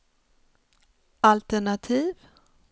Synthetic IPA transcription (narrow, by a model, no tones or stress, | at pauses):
alt̪ɛɳat̪ʰiːv